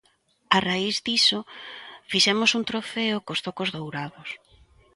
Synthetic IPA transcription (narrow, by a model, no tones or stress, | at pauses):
araizðisofiʃɛmosunt̪ɾofeʊkost̪okozðowɾaðos